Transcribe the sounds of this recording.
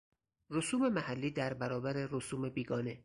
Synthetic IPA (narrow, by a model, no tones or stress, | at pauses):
ɾosuːme̞mæhælːiːd̪æɾbæɾɒːbæɾeɾosuːmebiːɡɒːne